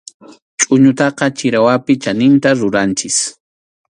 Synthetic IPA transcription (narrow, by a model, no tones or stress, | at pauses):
t͡ʃʼʊɲʊt̪ɑqɑt͡ʃɪɾawapɪt͡ʃanɪnt̪aɾʊɾant͡ʃɪs